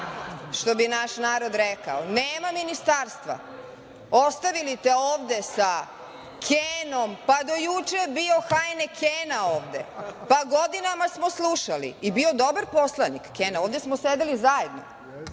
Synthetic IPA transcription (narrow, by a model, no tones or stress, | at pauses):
ʃt̪o̞binaʃnaːɾo̞d̪ɾeka̰oneːmaminist̪aːɾst̪ʋa̰ | o̞st̪aʋilit̪eoːʋd̪e̞sa | kʰeːno̞mpad̪o̞jut͡ʃebio̞xaːjnekʰeːnaoːʋd̪e̞̰paɡo̞d̪inamasmo̞slˠuʃalḭibio̞d̪o̞baɾpo̞slˠanikːeːnaoːʋd̪e̞smosed̪elizaje̞d̪no̰